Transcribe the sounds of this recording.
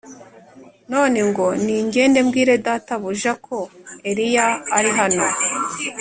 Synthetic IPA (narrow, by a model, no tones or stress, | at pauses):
no̞ːne̞ŋɡo̞niːɲɟe̞ːnde̞mɡiːɾe̞dataβuʒakʰo̞e̞ɾijaːɾiɦano̞